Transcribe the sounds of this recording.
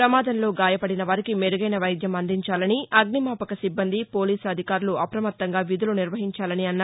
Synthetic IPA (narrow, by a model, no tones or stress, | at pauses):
ɾɐmaːd̪ɐnlo̞ːɡaːjɐpɐɽinɐʋaɾikimeɾuɡɐjnɐʋɐjd̪ʱjɐmɐnd̪iɲt͡ʃaːlɐniʔɐɡnimaːpɐkɐsibːɐnd̪ipo̞ːliːsɐd̪ʱikaːɾuluɐpɾɐmɐt̪ːɐŋɡaːʋid̪uluniɾʋɐɦiɲt͡ʃaːlɐniɐnːa